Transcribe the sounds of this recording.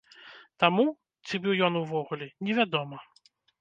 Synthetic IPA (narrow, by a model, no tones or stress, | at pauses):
t̪amu | t̪t͡s̪ʲibɨwjɔnuvɔɣulʲɛnʲɛvʲad̪ɔmɐ